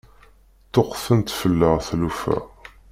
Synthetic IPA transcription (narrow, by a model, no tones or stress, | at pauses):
t̪ːoqːfənt̪fəlːəʁθlufæ̰